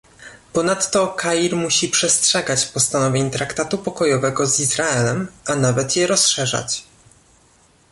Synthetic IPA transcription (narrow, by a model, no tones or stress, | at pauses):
pɔnat̪ːɔkʰaiɾmuɕipʂɛstʂɛɡat͡ɕpɔst̪anɔvʲjeɲt̪ɾakt̪at̪upɔkɔjɔvɛɡɔzizɾaɛlɛmanavɛt̪jɛɾɔsʂɛʐa̰t͡ɕ